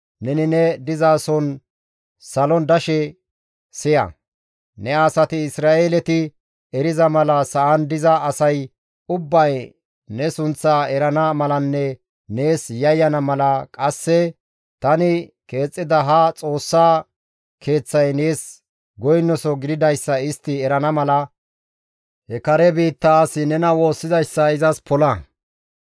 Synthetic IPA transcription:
nɛnɪnɛd̪ɪzaːsɔn | sɐlɔnd̪ɐʃɛ | sɪjɐ̰ | nɛaːsɐt̪ɪɪsɾaːʔelɛt̪ɪ | ɛɾɪzɐmɐlɐsɐʔɐnd̪ɪzɐːsɐj | ʊbːɐj | nɛsʊnt͡sːaːɛɾɐnamɐlɐnːɛ | ne̞ːsjɐjːɐnɐmɐlɐkʼɐsːɛ | t̪ɐnɪke̞ːt͡sʼːɪd̪ɐɦɐt͡sʼo̞ːsːaː | kʰe̞ːt͡sːɐjne̞ːs | ɡɔjnːɔsɔɡɪd̪ɪd̪ɐjsːɐɪst̪ːɪɛɾɐnɐmɐlɐ | hɛkɐɾɛbiːt̪ːaːsɪnɛnɐwo̞ːsːɪzɐjsːɐɪzɐspɔlɐ

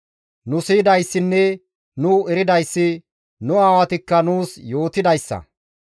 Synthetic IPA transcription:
nʊsiːd̪ɐjsːɪnːɛ | nʊɛɾɪd̪ɐjsːɪ | nʊaːwɐt̪ɪkːɐnuːsjo̞ːt̪ɪd̪ɐjsːɐ̰

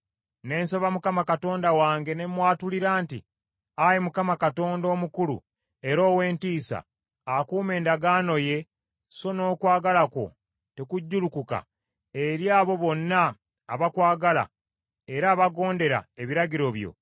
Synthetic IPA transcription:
ne̞ːnsoβamukamakato̞ːndawaːŋɡe̞ne̞mwaːtuliɾaːntḭ | ajemukamakato̞ːndo̞ːmukulṵ | e̞ɾo̞ːwe̞ːntiːsa̰ | akuːme̞ːndaɡaːno̞je̞ | so̞no̞ːkwaːɡalako̞̰ | te̞kuɟːulukuka̰ | eɾjaːβo̞βo̞nːaː | βakwaːɡala̰ | e̞ɾaːβaɡo̞ːnde̞ɾa̰e̞βiɾaɟiɾo̞βjo̞̰

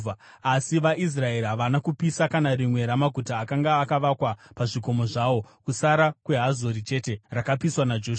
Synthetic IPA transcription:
a | asiʋaʔis̬rae̞ɾiɦaʋanakupisakanarimwe̞ɾamaɡʱutaːkaŋɡaːkaʋakwapaʐiko̞mo̞ʐaʋo̞kusaɾakwe̞ɦazo̞ɾit͡ʃe̞te̞rakapiswanad͡ʒoːʃa

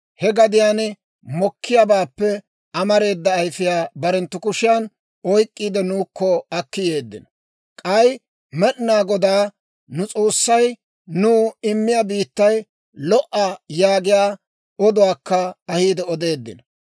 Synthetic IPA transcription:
hɛɡɐd̪ɪjaːn | mɔkːɪjabaːpːɛ | ɐmɐɾe̞ːd̪ːɐːjfɪjaːbɐɾɛnt̪ːʊkʊʃɪjan | ɔjkʼːiːd̪ɛnuːkʰːɔɐkːɪjeːd̪ːɪ̰n | kʼɐj | mɛɗnaːɡɔd̪aː | nʊt͡sʼo̞ːsːɐj | nuːɪmːɪjabiːt̪ːɐj | lɔʔɐjaːɡɪjaː | ɔd̪ʊwaːkːɐɐhiːd̪ɛɔd̪e̞ːd̪ːɪ̰n

